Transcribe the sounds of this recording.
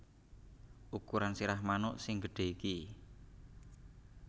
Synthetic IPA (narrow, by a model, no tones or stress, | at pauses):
ʔukuɾansiɾahmanʊʔsɪŋɡəɖ̥e̤iki